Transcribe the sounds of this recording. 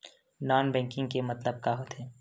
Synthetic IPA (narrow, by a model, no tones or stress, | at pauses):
naːnbɛ̃ːŋkɪ̃ŋɡkemɐt̪ləb̚kaɦoːt̪ɛː